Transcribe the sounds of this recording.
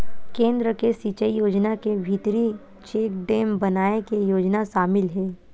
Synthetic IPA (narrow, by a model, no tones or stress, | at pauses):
kẽːnd̪ɾəkesiːt͡ʃəijoːd͡ʒnakebʱit̪ɾi | t͡ʃeːk̚ɖeːmbɐnaːekejoːd͡ʒnaʃaːmɪlɦɛː